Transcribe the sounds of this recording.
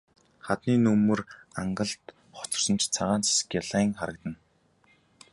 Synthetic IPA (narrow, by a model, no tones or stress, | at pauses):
χat̪niːnɵmːɵ̆raɴɢə̆ɮt̪ | χʊ̥t͡sə̥̆rsə̆nt͡ɕt͡sʰaʁaːnt͡se̥skjaɮæːŋχaɾə̆k̚t̪ə̆n